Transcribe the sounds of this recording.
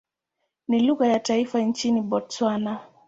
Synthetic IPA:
niluɣajataifant͡ʃiniɓɔtswana

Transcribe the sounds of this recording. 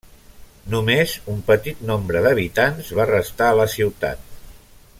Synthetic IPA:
numezumpət̪it̪̚nombɾəðəβit̪anzβarəst̪aələsiwt̪a̰t̪̚

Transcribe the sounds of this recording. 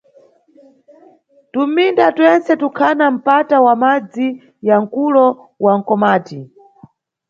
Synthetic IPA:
tum̩indatwɛnt͡sɛtukʰanam̩patawamad͡zi | jaŋ̩kulɔ | waŋ̩kɔmaːti

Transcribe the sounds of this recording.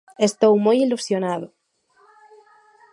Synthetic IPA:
est̪owmojilusjonaðʊ

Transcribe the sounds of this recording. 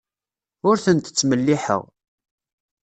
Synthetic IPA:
ʊɾθənt̪ə̥t͡sːməlːiħə̰ʁ

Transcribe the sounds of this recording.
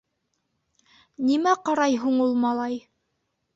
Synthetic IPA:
nimæqɑɾɑjɦuɴulˠmɑlˠɑj

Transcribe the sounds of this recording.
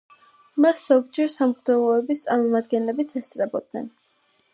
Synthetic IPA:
masz̥ɔɡd͡ʒɛɾsamχd̪ɛlˠɔɛbist̪sʼaɾmɔmad̪ɡɛnlɛbit̪sʰɛst̪sʼɾɛbɔd̪̚nɛ̰n

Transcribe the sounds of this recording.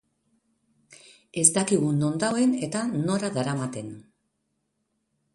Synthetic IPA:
e̞zd̪akiɣuno̞nd̪awe̞ne̞t̪ano̞ɾaðaɾamat̪e̞n

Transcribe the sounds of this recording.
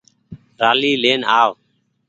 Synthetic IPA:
ɾaːliːleːnaːʋ

